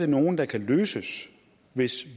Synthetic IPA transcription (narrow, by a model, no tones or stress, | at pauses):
d̥e̝no̝ːn̩d̥ɑ̈kʰæløːsəs | ʋe̝s